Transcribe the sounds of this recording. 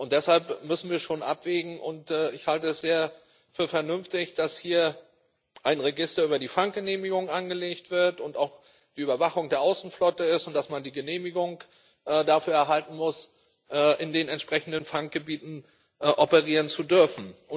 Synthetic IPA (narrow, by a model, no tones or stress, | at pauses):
ʔʊnt̚d̥ɛshalpmʏsn̩viːɐʃoːnʔa̰pv̥eːɡŋ̩ʔʊ̰ntɛːɪçhaltəɛsz̥eːɐ | fyːɐfɛɐnʏmftɪçd̥ashiːɐ | ʔaɪnʁeɡɪstɐyːbɐdiːfaŋk̚ɡ̥əneːmɪɡʊŋʔanɡəleːçtv̥ɪɐtʊntaʊx | d̥iːyːbɐvaχʊŋdeːɐʔaʊsn̩flɔtəɪstʊntd̥asmandiːɡəneːmɪɡʊŋ | ʔɛːdafyːɐɛɐɦaltn̩mʊs | ʔɛːʔɪndeːnɛntʃpʁ̥ɛçn̩dənfaŋk̚ɡ̥əbiːtn̩ | ʔʔɔpəʁ̞iːʁ̞ənt͡sudʏɐfn̩ʊ